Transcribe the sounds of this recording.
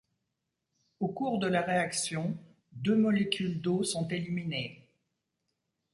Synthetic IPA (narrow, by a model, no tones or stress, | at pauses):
okuʁd̪əlaʁeaksjɔ̃ | d̪ømɔlekʲyld̪osɔ̃t̪elimine